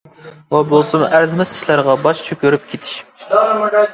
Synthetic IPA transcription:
vɑbolˠsɨmʔæɾzɪmɛsi̥ʃlæɾʁɑbɑʃt͡ʃʰøkʲyɾyp̚kʲʰet̪ʰɪ̥ʃ

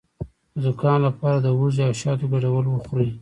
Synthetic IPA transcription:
əzʊkɑnlapɑɾad̪əwuziawʃɑt̪oɡaɽawəlwəxɾi

